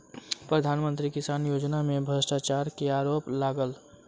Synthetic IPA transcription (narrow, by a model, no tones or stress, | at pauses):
pɾəd̪ʱaːnmə̃nt̪ɾikɪsaːnjoːd͡ʒnamẽbʱəsʈat͡ʃaːɾkeaːɾoːplaːɡəl